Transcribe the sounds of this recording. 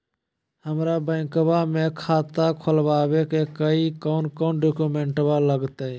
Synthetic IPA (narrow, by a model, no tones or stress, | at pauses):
həmɾabə̃ːŋkbamẽːkʰaːt̪akʰəlʋaːʋeːkekəikoːnkoːnɖoːkumeːɳʈbaləɡt̪e